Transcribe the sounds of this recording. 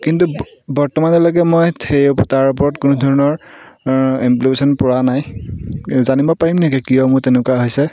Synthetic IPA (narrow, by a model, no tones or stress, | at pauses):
kintu | bɔɹtɔmanɔlɔɡɛmɔjtʰejɔptaɹup̬ɔɹɔtkʊnudʱɔɹɔnɔɹ | implipesɔnpʊɹanaj | zanibɔpaɹimnɛkɛkijɔmʊɹtenʊkaɦojsɛ